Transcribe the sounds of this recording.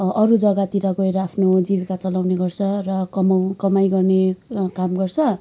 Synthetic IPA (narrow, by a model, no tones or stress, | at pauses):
ʌɾud͡zʌɡat̪iɾʌɡʌeɾʌapʰnod͡zibikat͡sʌlawneɡʌrt͡sʰʌrʌkʌmakʌmajɡʌrnekamɡʌrt͡sʰʌ